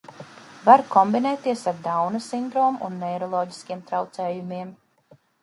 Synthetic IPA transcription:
vaɾkɔmbinɛːt̪ːiɛsaɾd̪awnasind̪ɾɔːmuʔṵnːɛjɾɔlˠɔːɟi̥skʲiɛmt̪ɾawt̪sɛːjumiɛm

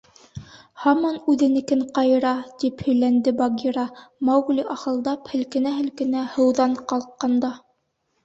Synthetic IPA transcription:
hɑmɑnʉðɘ̆nɘ̆kɘɴqɑjɤ̆ɾɑt̪iphɵ̆jlænd̪ɘbɑɡʲiɾɑmɑwɡliʔɑχɤ̆lˠd̪ɑphɘ̆lkɘ̆næɦɘ̆lkɘ̆næhɤ̆wðɑɴqɑlˠqːɑnd̪ɑ

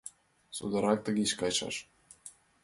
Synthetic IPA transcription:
sṵd̪ə̆ɾɑk̚t̪əɡʲet͡ɕkɑjʃɑ̰ʃ

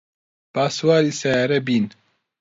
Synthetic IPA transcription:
b̥aːswaːɾisajaɾɐbiːn

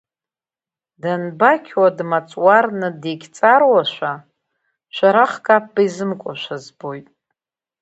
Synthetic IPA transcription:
danbakʲʰwadmat͡sʼwarnɨdeɡʲt͡sʼarwaʃʷa | ʃʷaɾaχkʰʼap̚ʰːaizɨmkʷʼʊʃʷazbo̞jtʼ

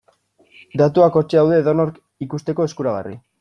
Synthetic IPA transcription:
d̪at̪uako̞t͡ʃeawðe̞ðonoɾk | ikust̪e̞ko̞e̞skuɾaɣ̞a̰rḭ

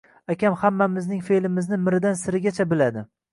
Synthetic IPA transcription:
akʲamhamːamɪznɪŋfe̞lɪmɪznɪmɪɾɪd̪ansɪɾɪɡʲat͡ʃʰabɪlad̪ɪ

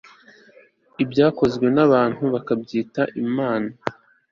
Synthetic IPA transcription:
ibɟaːko̞zɡwe̞naβaːn̥huβakabɟiːtaʔimaːna

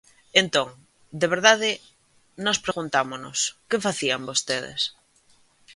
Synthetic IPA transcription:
ent̪oŋ | d̪eβ̞eɾðaðe | nospɾeɣunt̪amono̰skefaθiambost̪eðḛs

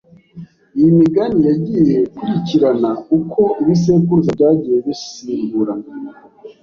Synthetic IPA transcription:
ijimiɡanijaɟijeukuɾiciɾanaukʰo̞ʔiβis̬e̞ːkuɾuzabɟaːɟijeβisiːmbuɾa

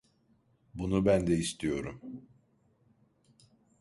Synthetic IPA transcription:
bunubænd̪ɛist̪ʰijo̞ɾum

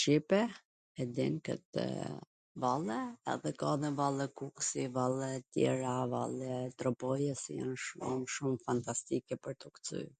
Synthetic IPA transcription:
ʃipɛ | hɛd̪inkə̰t̪ | valˠɛɛ̰ðɛkaðɛvalˠɛkuksivalˠɛt̪jɛ̰ɾava̰lˠɛt̪ɾɔpɔjɛsija̰nʃumʃumfant̪ast̪ikɛpəɾt̪ɔkt͡sy̰

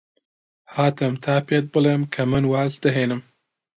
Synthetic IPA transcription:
haːt̪ɐmt̪ʰaːpet̪̚bɨlemkʰɐmɨnwaːzd̪ɨɦeːnɨm

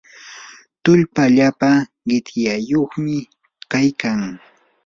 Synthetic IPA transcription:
t̪ʊʎpaʎapa | ɢɪt̪jajoχmɪ | kajkaŋ

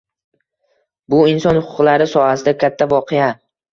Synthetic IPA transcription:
bʊɪnsɒnhʊqʰʊqlaɾɪsɒhasɪd̪akʲʰat̪ʰːavɒqʰɪja

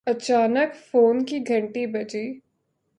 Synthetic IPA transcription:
ɐt͡ʃaːnəkfoːnkiɡʱɐ̃ɳʈibɐd͡ʒiː

